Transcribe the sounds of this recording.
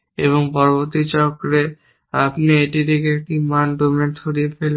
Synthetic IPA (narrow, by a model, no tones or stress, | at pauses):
eβoŋpɔɾoboɾt̪ːit͡ɕɔkɾe | apneeʈid̪ikeek̚ʈimanɖomeɾt̪ʰoɾiefel